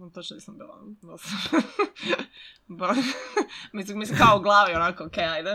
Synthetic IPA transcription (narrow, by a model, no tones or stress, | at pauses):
t̪ot͡ʃnnisɐmbḭlˠa̰d̪osam | bo | mis̬immislimkaouɡlˠaːʋionakookejajd̪e